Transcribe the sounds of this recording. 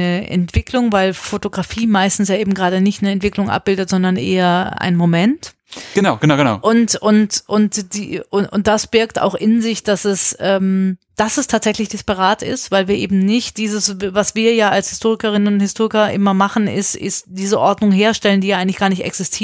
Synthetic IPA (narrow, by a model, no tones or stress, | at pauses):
nəʔɛ̰ntv̥ɪklʊŋvaɪlfotoɡʁafiːmaɪstn̩sjaːʔeːbm̩ɡʁaːdənɪçtnəɛntv̥ɪklʊŋʔa̰p̚b̥ɪldətz̥ɔndɐnʔḛːɐʔa̰ɪnmomɛnt | ɡ̥ənaʊɡənaʊɡəna̰ʊʔʊntʊntʔʊntd̥iʊ̰nt̚d̥asb̥ɪɐkta̰ʊxʔɪnzɪçd̥asɛsʔɛːmd̥asɛstʰaːtz̥ɛçlɪçd̥ɪspaʁ̞aːtɪ̰stv̥aɪlviːɐʔḛːbm̩nɪçt̚d̥iːzəsvvasv̥iːɐjaːalshɪstʰoːʁɪkɐʁ̞ɪnənʊnthɪstʰoːʁɪkɐʔɪmɐmaχn̩ɪstɪ̰std̥iːzəʔɔɐdnʊŋɦeːɐʃtɛləndiːjaʔaɪŋtlɪçɡ̥aːɐnɪçtɛ̰ksɪstʰiː